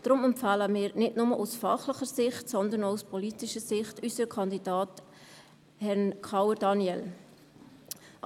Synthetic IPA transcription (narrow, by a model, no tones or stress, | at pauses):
d̥ɾʊmɛmpfɑːləmɪːɾnɪtnʊməʔusfɑχləχəɾsɪχtsɔnd̪əɾnoʊspʰɔlitɪʃəsɪχtysəɾkʰɑndidɑːt | hɛnkʰɑwədɑnjɛl